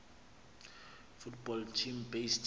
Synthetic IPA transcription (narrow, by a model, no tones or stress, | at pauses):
futbɔltʰimbest